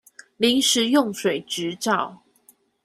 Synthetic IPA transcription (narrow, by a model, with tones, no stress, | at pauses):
li˨˦ŋʂɻ̩˨˦jɔ˥˨ŋʂwe˨˩ɪʈ͡ʂɻ̩˨˦ʈ͡ʂɑ˥˨ʊ